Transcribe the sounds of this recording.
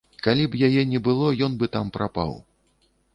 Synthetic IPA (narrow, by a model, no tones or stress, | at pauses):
kalʲibjajɛnʲɛbɨlˠɔjɔnbɨt̪ampɾʔapa̰w